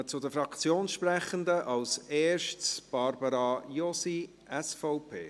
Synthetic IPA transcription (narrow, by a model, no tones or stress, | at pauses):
ət͡sʊdəfɾɑkt͡sjoːnʃprɛχənd̪əʔɑwseːʃtsb̥ɑɾbəɾɑjɔsi | ɛsfɔʊpʰḛː